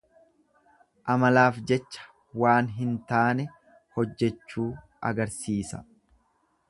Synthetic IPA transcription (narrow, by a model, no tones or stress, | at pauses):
ʔɐmɐlaːfd͡ʒɛt͡ʃːɐ̥ | waːnɦɪnt̪aːnɛ | hɔd͡ʒːɛt͡ʃːuː | ʔɐ̰ɡɐɾsiːsɐ̰